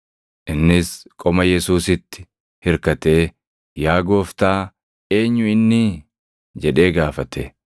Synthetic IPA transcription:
ʔɪnːɪskʼɔmɐjɛsuːsɪt̪ːɪ̥ | hɪɾkɐt̪e̞ː | jaːɡo̞ːft̪aː | e̞ːɲːʊɪnːɪ | d͡ʒɛᶑe̞ːɡaːfɐt̪e

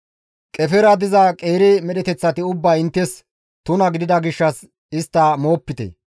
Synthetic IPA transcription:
kʼɛfɛɾɐd̪ɪzɐkʼeːɾɪmɛɗɛt̪ɛt͡sːɐt̪ɪʊbːɐjɪnt̪ːɛs | t̪ʊnɐɡɪd̪ɪd̪ɐɡɪʃːɐs | ɪst̪ːɐmo̞ːpːɪt̪ɛ̰

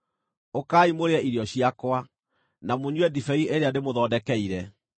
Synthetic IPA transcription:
okaːimoɾeɛiɾiɔɕiakwa | namoɲwɛdifɛieɾeandemoðɔːdɛkɛiɾɛ

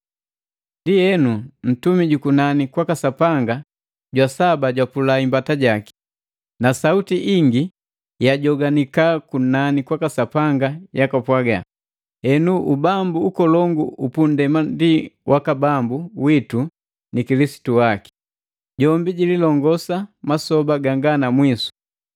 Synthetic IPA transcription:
ndiɛnun̩tumiɟukunanikwakasapaŋɡa | ɟwasabaɟwapulaimbataɟaki̥ | nasautiʔiŋɡi | jaɟɔɡanikakunanikwakasapaŋɡajakapwaɡa̰ | hɛnuʔubambuukɔlɔŋɡuupundɛmandiwʔakabambuwitu | nikilisi̥tuwaki̥ | ɟɔmbiɟililɔŋɡɔsamasɔbaɡaŋɡanamwisu̥

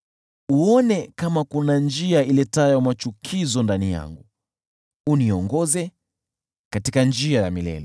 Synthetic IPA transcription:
uɔnɛkamakunand͡ʒiailɛtajɔmat͡ʃukʰizɔndanija̰ŋɡu | uniɔŋɡɔzɛ | katikand͡ʒiajamilɛ̰lɛ

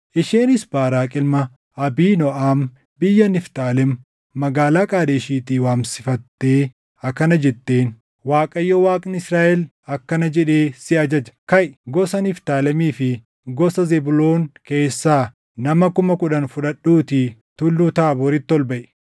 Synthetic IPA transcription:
ʔɪʃeːnɪsbaːɾaːkʼɪlmɐ | ɐbiːnɔʔaːm | bɪjːɐnɪft̪aːlɛmː | ɐɡaːlaːkʼaːd̪eːʃiːt̪iːwaːmsɪfɐt̪ːeː | ɐkːɐnɐd͡ʒɛt̪ːe̞ːn | waːkʼɐjːoːwaːkʼnɪsɾaːʔɛl | ɐkːɐnɐd͡ʒɛᶑe̞ːsɪɐd͡ʒɐd͡ʒɐ̥kɐjɡɔsɐnɪft̪aːlɛmiːfɪ | ɡɔsɐzɛbʊlo̞ːŋke̞ːsːaː | nɐmɐkʊmɐkʊᶑɐnfʊᶑɐɗuːt̪ɪt̪ʊlːuːt̪aːbɔɾɪt̪ːɔlbɐʔɛ̥

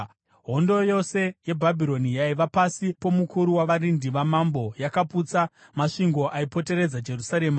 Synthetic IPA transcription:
ɦo̞ndo̞jo̞se̞je̞bʱabʱiɾo̞nijaiʋapasipo̞mukuɾuwaʋaɾindiʋamambo̞jakaput͡samaʂiŋɡo̞ʔaipo̞te̞ɾe̞d͡zad͡ʒe̞rusaɾe̞ːma

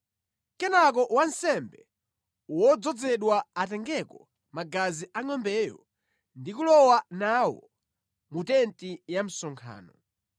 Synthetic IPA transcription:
kɛnak̬ɔʔwansɛmbɛ | wɔd͡zɔd͡zɛɗwaːtɛŋɡɛkɔ | maɡaziʔaŋɔmbɛːjɔ̰ | ndikulɔwanaːwɔ̰ | mutɛntijam̩sɔŋkʰa̰ːnɔ

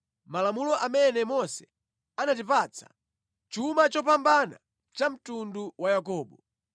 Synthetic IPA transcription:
malamulɔʔamɛnɛmɔsɛ̥ | anat̬ipaːt͡sʰḁ̰ | t͡ʃumat͡ʃɔpambana̰ | t͡ʃam̩tunduwajakɔːɓɔ

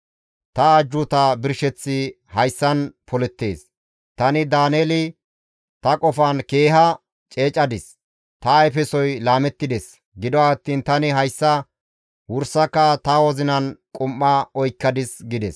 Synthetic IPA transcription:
t̪ɐːd͡ʒːʊt̪ɐbɪɾʃɛt͡sːɪ | hɐjsːɐnpɔlɛt̪ːe̞̰ːs | t̪ɐnɪd̪aːneːlɪ | t̪ɐkʼɔfɐnke̞ːɦɐ | t͡ʃʼe̞ːt͡ʃʼːɐd̪ɪs | t̪ɐɛfɛsɔjlaːmɛt̪ːɪd̪ɛs | ɡɪd̪ɔaːt̪ːiːnt̪ɐnɪɦɐjsːɐ | wʊɾsːɐkːɐt̪ɐwɔzɪnɐnkʼʊmːɐɔjkːɐd̪ɪsɡɪd̪ɛs

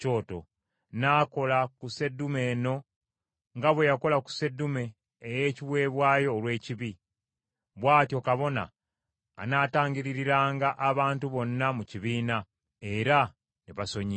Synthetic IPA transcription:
t͡ʃo̞ːto̞̰ | naːko̞lakuse̞dume̞ːno̞ | ŋɡaβwe̞jako̞laku̥se̞dːume̞ː | je̞ːciβwe̞ːβwaːjo̞ːlwe̞ːciβi | βwaːtjo̞ːkaβo̞na̰ː | naːtaːɲɟiɾiɾiɾaːŋɡaʔaβaːntuβo̞nːamuciβiːna | e̞ɾa | niβaso̞ɲi

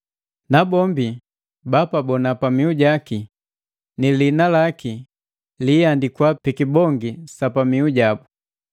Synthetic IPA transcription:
nabɔmbi | bapabɔnapamiuɟaki | nilinalaki | lijandikwapikibɔŋɡisapamiuɟabu

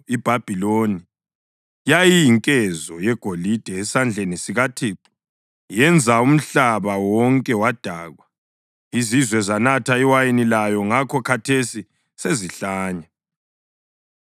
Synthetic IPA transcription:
ib̥ʱab̥ʱiloni | jajijiŋkʼɛzɔjɛɡ̥ʱolid̥ʱɛɛsand͡ɮʱenisiɣatʰiːǃu̥ | jɛnd͡zʱaum̩ɬaβawɔŋkʼɛwad̥ʱaːɣwa | izizwɛzanatʰaiwajinilajɔŋakʰɔkʰatʰesi | seziɬaːɲa

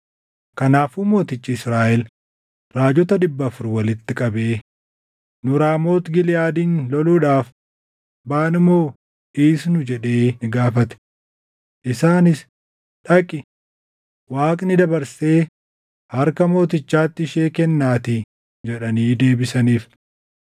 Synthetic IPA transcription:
kɐnaːfuːmo̞ːt̪ɪt͡ʃːɪɪsɾaːʔɛl | ɾaːd͡ʒɔt̪ɐd̪ɪbːɐfʊɾwɐlɪt̪ːɪkʼɐbeː | nʊɾaːmo̞ːt̪ɡɪlɪjaːd̪iːnlɔluːᶑaːf | baːnɪmo̞ː | ʔɪːsnʊd͡ʒɛᶑe̞ːnɪɡaːfɐt̪ɛ̥ | ʔɪsaːnɪs | ᶑɐkʼɪ | waːkʼnɪd̪ɐbɐɾse̞ː | hɐɾkɐmo̞ːt̪ɪt͡ʃːaːt̪ːɪʃeːkɛnːaːt̪ɪ | d͡ʒɛᶑɐniːd̪e̞ːbɪsɐniːf

